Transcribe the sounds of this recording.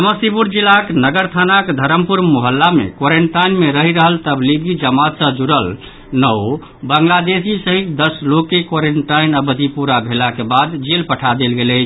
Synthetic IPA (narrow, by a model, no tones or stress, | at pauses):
əməsipuɾd͡ʒilaknəɡəɾt̪ʰanakd̪ʱəɾəmpuɾmoɦəlːamḛkoɾeɳʈajnmeɾəɦiɾəɦəlt̪əbliɡid͡ʒəmat̪sə̃d͡ʒuɾəl | nəw | bəŋɡlad̪esisəɦikd̪əslokːekoɾeɳʈainəbəd̪ʱipuɾabʱelakebad̪d͡ʒelpəʈʰad̪elɡelət͡ʃʰ